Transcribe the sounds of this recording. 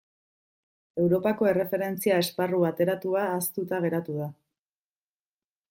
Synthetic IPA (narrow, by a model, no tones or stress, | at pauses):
e̞wɾo̞pako̞e̞re̞fe̞ɾe̞nt͡siae̞sparuβat̪e̞ɾat̪uaːst̪ut̪aɣ̞e̞ɾat̪uð̞a